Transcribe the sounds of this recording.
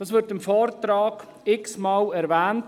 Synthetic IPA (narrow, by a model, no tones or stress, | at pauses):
d̥ɑːsʋɪɾtɪmfɔːɾtɾɑːɡ̥ | ɪksmɑːlɛɾvæːnt